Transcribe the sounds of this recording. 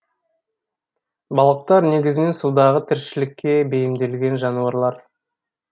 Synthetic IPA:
bɑlˠəq̚t̪ɑɾne̞ɡʲɪzɪne̞nsud̪ɑʁət̪ʰɪɾʃɪlɪkʲːe̞be̞jɪmd̪e̞lɡʲe̞nʒɑnuɑɾlˠɑɾ

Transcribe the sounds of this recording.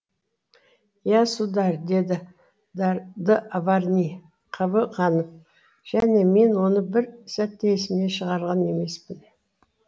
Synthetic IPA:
jɑsud̪ɑɾd̪e̞d̪ɪ | d̪əʔavɑɾnʲi | qʰəbəqɑnəp̚ | ʒ̥æne̞me̞nwo̞nəbɪɾsæt̪ːeesɪmne̞ʃəʁɑɾʁɑne̞me̞spɪn

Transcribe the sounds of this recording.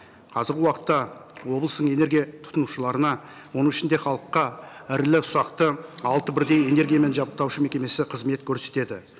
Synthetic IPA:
qʰɑzəɾɡʲɪwɑqə̥t̪ːɑwo̞blˠəst̪əɴe̞ne̞ɾɡʲijat̪ʰʊ̥t̪ənuʃəlˠɑɾənɑ | wonəɴɪʃɪnd̪e̞χɑlˠəqːɑɪɾlɪsʊɾɑqt̪əɑlˠt̪əbɪɾd̪e̞je̞ne̞ɾɡʲijame̞nʒɑbəq̚t̪ɑwʃəme̞kʲe̞me̞sɪqʰəzme̞t̪kʲʰɵɾse̞t̪e̞d̪ɪ

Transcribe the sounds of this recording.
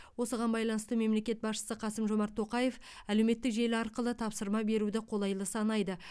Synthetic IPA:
wo̞səʁɑnbɑjlˠɑnəst̪əme̞mle̞kʲe̞t̪̚bɑsʃə̥səqʰɑsəmʒo̞mɑɾt̪ʰːo̞qɑje̞fæle̞wme̞t̪ːɪkʒe̞lɪɑɾqəlˠət̪ʰɑpsəɾmɑbe̞ɾud̪ɪqʰo̞lˠɑjlˠəsɑnɑjd̪ə

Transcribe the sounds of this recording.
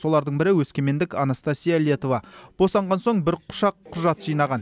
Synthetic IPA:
so̞lˠɑɾd̪əɴbɪɾɪwɵskʲe̞me̞nd̪ɪkɑnast̪ɑsʲijale̞t̪o̞vɑb̥o̞sɑɴʁɑnso̞ɴbɪɾqʰʊ̥ʃɑqʰːʊʒɑt̪ʒijnɑʁɑn

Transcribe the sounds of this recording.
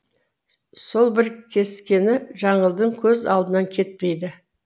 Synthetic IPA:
so̞lˠbɪɾkʲʰe̞skʲe̞nɪʒɑɴəlˠd̪əɴkʲʰɵzɑ̰lˠd̪ənɑŋkʲʰe̞t̪̚pe̞jd̪ɪ

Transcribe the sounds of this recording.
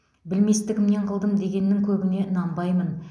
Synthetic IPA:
bɪlme̞st̪ɪkʲɪmne̞ɴqʰəlˠd̪əmd̪e̞ɡʲe̞nːɪŋkʲʰɵbɪne̞ənɑmbɑjmən

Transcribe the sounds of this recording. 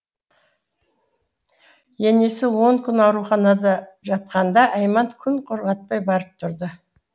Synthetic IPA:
je̞ne̞sɪwo̞ŋkʲʰʏnɑwɾuχɑnɑd̪ɑʒɑt̪̚qɑnd̪ɑʔɑjmɑnt̪kʲʰʏnqʰʊɾʁɑt̪̚pɑjbɑɾəp̚t̪ʰʊɾd̪ə

